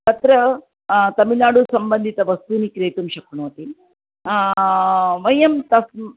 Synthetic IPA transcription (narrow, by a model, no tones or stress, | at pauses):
t̪ɐt̪ɾɐ | t̪ɐmilaːɽusɐmbɐnd̪ʱit̪ɐʋɐst̪unikɾeːt̪umʃɐkɳoːt̪i | ʋɐjɐmt̪ɐs